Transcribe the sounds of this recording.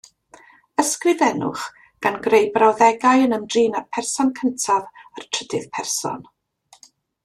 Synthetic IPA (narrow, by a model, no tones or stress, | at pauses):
əskrɨðɛnʊ̰χ | ɡ̥anɡrejbrawðɛɡajənəmdriːnarpʰɛrsɔnkʰəntʰavartʰr̥ədɨð̥pʰɛrsɔ̰n